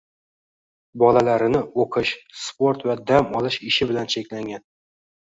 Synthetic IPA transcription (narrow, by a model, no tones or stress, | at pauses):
bɒlalaɾɪnɪoqʰɪʃspoɾt̪vad̪amɒlˠɪʃɪʃɪbɪlant͡ʃʰekʲlaŋɡʲan